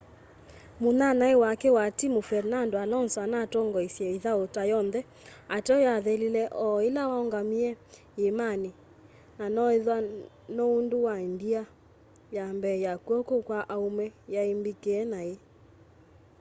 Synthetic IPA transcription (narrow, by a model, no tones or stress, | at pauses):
monanaewakɛwatimofɛɾnandoanɔnswanatɔŋɡɔisjɛiðaotajɔnðɛ | atɛɔjaðelilɛʔɔelawaɔŋɡamiɛ | emani | nanɔeðwa | nounduwaendia | jambɛjakuɔkokwaʔaumɛjaimbikeɛnae